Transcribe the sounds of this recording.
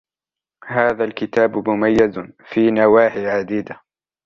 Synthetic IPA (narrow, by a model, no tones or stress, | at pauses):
haːðalkɪt̪aːbmʊmajːɪzfiːnawaːħiʕad̪iːd̪a